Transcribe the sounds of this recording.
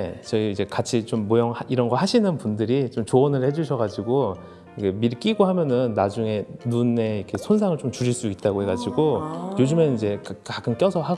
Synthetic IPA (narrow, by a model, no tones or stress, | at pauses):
t͡ɕʌiid͡ʑe̞kat͡ɕʰit͡ɕomːojʌŋiɾʌnɡʌɦaɕʰinɯnpundɯɾit͡ɕomt͡ɕoʌnɯɭhe̞d͡ʑuɕʰʌɣad͡ʑiɡo | ikʰemiɾk͈iɡoɦamjʌnɯnːad͡ʑuŋe̞nune̞ʌkʰe̞sʰonsʰaŋɯɭt͡ɕomt͡ɕuɾiɭs͈uit̚t͈aɡohe̞ɡad͡ʑiɡojod͡ʑɯmenid͡ʑe̞kkakʰɯnk͈jʌsʰʌɦa